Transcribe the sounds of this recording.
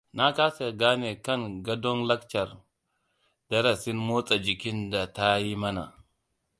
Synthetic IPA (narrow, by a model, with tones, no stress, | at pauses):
na˦ka˦se˨ɡa˦ne˨ka˦nɡa˦do˦nla˦kt͡ʃa˨ɾ | da˦ɾa˨si˦nmo˦t͡sʼa˨d͡ʒi˨ki˦nda˨ta˦ji˦ma˦na̰˨